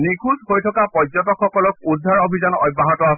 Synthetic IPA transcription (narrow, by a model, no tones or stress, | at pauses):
nikʰuzhojtʰɔkapɔzɔtɔkxːɔkɔlɔk̚udʱaɹobʱizanɔ̰jbːaɦɔtɔas